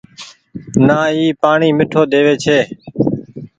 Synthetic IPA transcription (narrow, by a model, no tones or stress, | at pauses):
naːiːpaːɳiːmɪʈʰoːd̪eːʋeːt͡ʃʰeː